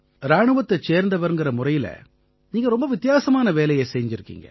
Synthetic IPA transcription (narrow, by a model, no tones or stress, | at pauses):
ɾaːɳɯʋɐt̪ːɐt͡ʃːeːɾnd̪ɐʋɐɾɯnɡɪɾɐmʊrɐjɪlɐ̰ | niːŋɡɐɾɔmbɐʋɪt̪ːɪjaːsɐmaːnɐʋeːlɐjɐsɛjɲd͡ʒɪɾɯkːḭːŋɡɐ̰